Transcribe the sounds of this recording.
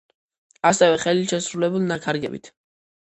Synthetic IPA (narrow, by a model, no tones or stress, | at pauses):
asɛvɛχɛliʃɛsɾulɛbulˠnakʰaɾɡɛ̰bḭt̪ʰ